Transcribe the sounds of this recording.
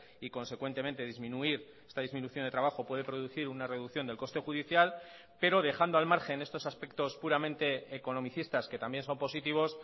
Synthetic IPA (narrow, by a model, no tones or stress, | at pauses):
iko̞nse̞kwent̪e̞mẽ̞nt̪e̞ðizmĩnuiɾ | e̞st̪aðizminuθjond̪e̞t̪ɾaβaxo̞pwe̞ð̞e̞pɾo̞ðuθiɾunare̞ðukθjo̞nd̪elko̞st̪e̞xuðiθjal | pe̞ɾo̞ð̞e̞xand̪oalmaɾxe̞ne̞st̪o̞saspe̞k̚t̪o̞spuɾamẽ̞nt̪e̞ːko̞no̞miθist̪asket̪ambje̞nso̞mpo̞sit̪iβ̞o̞s